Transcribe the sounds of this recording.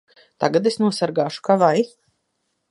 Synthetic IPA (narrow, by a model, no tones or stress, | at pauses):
t̪aɡat̪esnuɔsaɾɡaːʃu̥kavaj